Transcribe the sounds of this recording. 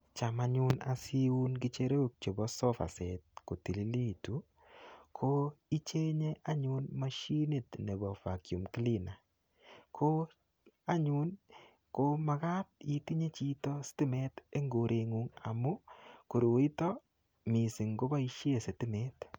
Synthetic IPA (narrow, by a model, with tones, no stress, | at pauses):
t͡ʃa˨ma˦ɲu˦na̰˨si˦u˦nki˦t͡ʃe˦ɾo˦k̚t͡ʃo˨bɔ˦sɔ˦fa̰˨sɛ˨t̚ko˨ti˨li˨˦li˦tu˨˦ | kʰo˦i˦t͡ʃe˦ɲe˦ʔa˦ɲu˦nma˦ʃi˦ni˦˨tne˨bɔ˨fa˨kju˨mkli˦na˨ | kʰo˦ | a˦ɲu˦n | koma˨ka˦ti˨˦ti˦ɲe˦t͡ʃi˦tɔ˦stɪ˦mɛ˦te˦ŋɡo˨ɾʔe˨ŋu˦ŋa̰˨mu˦ku˨ɾo˨wi˦tɔ˦ | mi˨si˨ŋɡo˦ba˦i˦ʃe˦se˨tɪ˦mɛ˦t